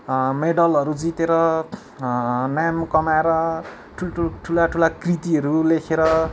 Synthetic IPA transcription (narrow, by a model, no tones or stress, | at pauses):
meɖʌlʌɾud͡zit̪eɾʌ | namkʌmaeɾʌ | ʈʰulʈʰuʈʰulaʈʰulakrit̪iʌɾulekʰeɾʌ